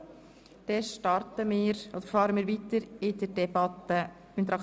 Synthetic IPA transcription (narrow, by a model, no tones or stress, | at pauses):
d̪̥ɛʃtɑrtəmɪːɾʔod̥̪əɾfɑːɾəmɪːɾʋit̪əɾɪd̥̪ədɛbɑt̪ːə | ynt̪əɾɑk